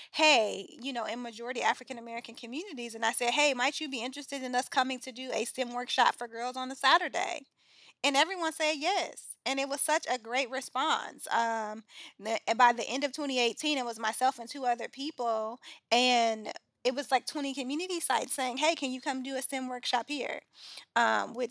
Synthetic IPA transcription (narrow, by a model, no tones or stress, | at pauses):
heɪjɨnoʊɨ̃nmɨd͡ʒɔɹɨɾiæfɹɨkɨ̃nəmɛɹɨkɨ̃n̩kʰɨmjʉnɨɾizɨ̃naɪsɛd̚ɦeɪmaɪt͡ʃɨbiɪ̃nt͡ʃɹ̥ɨstɨɾɨ̃nʌskʰʌmɪ̃ŋtʰɨdɨɨ̰stɪ̃mwɜ˞kʃɑ̰tfə˞ɡɜ˞lˠzn̩ðəsæɾə˞dḛɪ | ɨ̃nɛvɹiwʌ̃nsɛjɛs | ɨ̃nɨt̚wʌz̥sʌt͡ʃɨɡɹeɪt̚ɹɨspɑ̰̃nsʌ̃mðɨbaɪðiʔɛ̃ndʌv̥tʰwɛ̃ɾ̃ieɪtʰĩñɨt̚wʌzmaɪsɛlˠfɨ̃ntʰʉʌðə˞pʰipl̩ˠɨ̃n | ɨt̚wʌzlaɪk̚tʰw̥ɛ̃ɾ̃ikɨmjʉnɨɾisaɪtseɪɪ̃ŋɦeɪkʰɨ̃njɨkʰʌ̃mdɨɨstɪ̃mwɜ˞kʃɑphiɹ | ʌ̃mwɪt͡ʃ